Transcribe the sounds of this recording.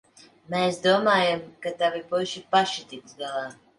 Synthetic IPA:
mɛːsd̪uɔmaːjamkat̪avipuʃipaʃit̪ik̪zɡalˠaː

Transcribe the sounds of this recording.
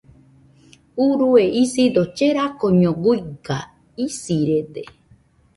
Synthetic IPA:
uɾueisid̪ot͡ʃeɾakoɲõɡuiɡa | isiɾed̪e

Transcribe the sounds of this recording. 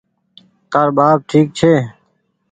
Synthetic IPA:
kəɾbaːb̚ʈʰiːk̚t͡ʃʰeː

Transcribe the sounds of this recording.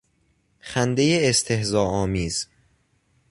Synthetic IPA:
xænd̪ejeːst̪ʰe̞hzɒːɒːmiːz̥

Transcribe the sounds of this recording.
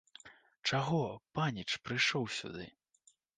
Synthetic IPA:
t͡ʂaɣɔpanʲit͡ʂpɾɨjʂɔwsʲṵd̪ɨ

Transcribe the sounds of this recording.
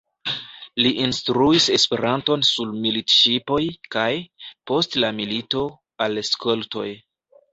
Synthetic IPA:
liʔinstɾuise̞spe̞ɾʔanto̞nsulmilitʃipo̞jkajpo̞stlamilito̞ | alskʰolto̞̰j

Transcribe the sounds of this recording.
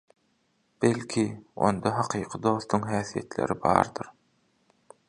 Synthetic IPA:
b̥elʲkʲʰio̞̰nd̪ɑɦɑqʰɯːqʰɯd̪o̞ːθt̪ʰuŋɦæːθijḛt̪le̞̰ɾibɑ̰ːɾd̪ɯɾ

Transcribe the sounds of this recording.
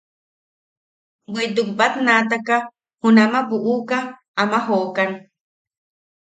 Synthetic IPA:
wed̪uk̚bat̪nat̪aka | hunamabuʔuka | amaɦokan

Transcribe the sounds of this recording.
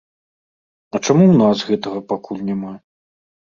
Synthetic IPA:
ɐt͡ʂamuwnasɣɛt̪ɐɣɐpakʰulʲnʲama

